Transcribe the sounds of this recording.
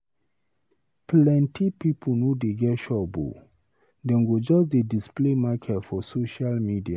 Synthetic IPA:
plɛ̃ntʰipipʰunudeɡɛtʃɔbo̰ | dɛ̃nɡod͡ʒɔsdedisplemakʰɛtfɔsoʃalmidia

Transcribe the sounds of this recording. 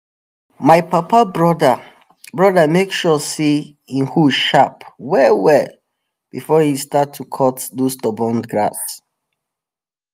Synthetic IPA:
maɪpapabɹɔdə | bɹɔdəmekʃɔsi | ĩnhuʃapwɛwɛ | b̥ifɔhistatʰːukʰɔtdostɔbɔ̃nɡɹa̰s

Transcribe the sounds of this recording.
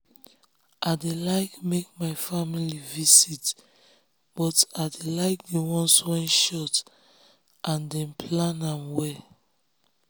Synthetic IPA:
ʔadelaɪkmek̚maɪfamilivisit | b̥ɔtadelaɪk̚dewɔ̃nswɛ̃nʃɔt | ʔãndɛ̃npʰlãnãmwɛ

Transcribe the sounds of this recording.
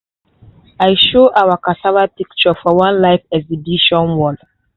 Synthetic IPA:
ajʃoʔawakataɹapikt͡ʃɔfɔwãnlaɪfɛzidiʃɔ̃nwɔd

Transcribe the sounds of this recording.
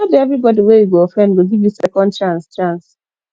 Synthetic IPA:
ɔdiɛvɾibɔdiwewiɡoofɾɛ̃ndɡoɡivjisɛkɔ̃ndt͡ʃãnst͡ʃãns

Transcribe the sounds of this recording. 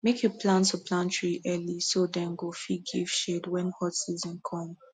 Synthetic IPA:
mekʰjopʰlãntəpʰlãntʰɹiʔɛlisodɛ̃nɡofiɡiv̥ʃedwɛ̃nhɔtsizɔ̃nkʰɔ̃m

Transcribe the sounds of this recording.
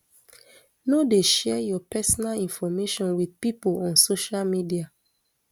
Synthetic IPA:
nodeʃɛjɔpɛsɔnalĩnfɔmeʃɔ̃nwiðpipolɔ̃nsoʃalmidia

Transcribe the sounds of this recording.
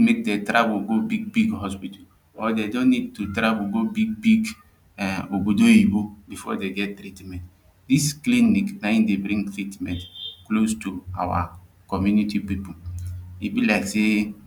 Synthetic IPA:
mek̚detɾaboɡobiɡ̚biɡhɔspital | ɔdedõnːid̚tutɾaboɡobiɡ̚biɡ | obodoibobifɔdeɡɛt̚tɾitmɛ̃nt | diskliniknaĩdebɾĩŋtɾitmɛ̃ntklostua̰wa̰ | kɔmjunitipipolibilaɪkse

